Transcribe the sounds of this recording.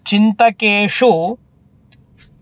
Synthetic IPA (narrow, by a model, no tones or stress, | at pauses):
t͡ʃint̪ɐkeːʂu